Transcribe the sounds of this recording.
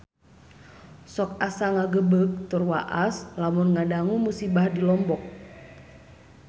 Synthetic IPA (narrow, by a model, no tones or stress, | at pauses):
sɔk̚asaŋaɡəbək̚t̪urwa̰ʔaslamunŋadaŋumusibahdilɔmbɔk̚